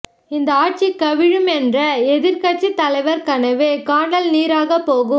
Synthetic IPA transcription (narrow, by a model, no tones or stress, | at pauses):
ɪnd̪ɐaːʈ̚t͡ʃikːɐʋɪɻɯmɛndrɐɛðɪɾkɐʈ̚t͡ʃit̪ːɐlɐɪʋɐɾkɐnɐʋeːkaːɳɖɐlniːɾaːɣɐpːoːɣɯm